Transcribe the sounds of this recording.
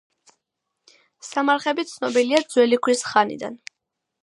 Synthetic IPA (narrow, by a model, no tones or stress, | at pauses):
samaɾχɛbit̪sʰnɔbiliad̪zwɛlikʰwisχanḭd̪a̰n